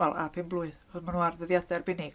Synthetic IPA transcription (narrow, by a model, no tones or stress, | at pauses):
ɛlˠʔa̰pʰɪnblˠʊɨð | ɔðmanuːarðəðjadɛrbɪnɪɡ